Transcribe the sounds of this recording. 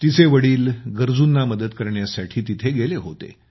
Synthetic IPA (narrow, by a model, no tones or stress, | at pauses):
t̪it͡seʋəɽiːlɡəɾd͡zunːaməd̪əd̪kəɾɳjasaʈʰiːt̪it̪ʰeɡeleɦot̪ḛ